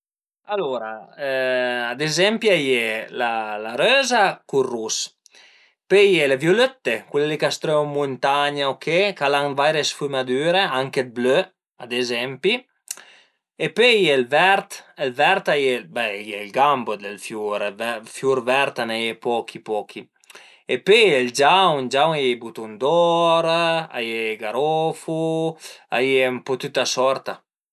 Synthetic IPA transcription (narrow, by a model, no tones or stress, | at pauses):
aloɾa | ad̪ezɛmpiajelalaɾøːzakurus | pejelevjoløt̪ːekwelelikast̪ɾømunt̪aɲaokʰekalaŋvajɾesfymad̪yːɾeaŋked̪̚blø | ad̪ezɛmpi | epøjelvɛɾt̪elvɛɾt̪ajebɛjelɡambod̪elfjuɾvɛfjuɾvɛɾt̪anajepɔkʰipɔkʰi | epøeld͡ʒawund͡ʒawnebut̪und̪ɔɾa̰jeɡaɾɔfu | a̰jmpɔt̪yt̪asɔɾt̪a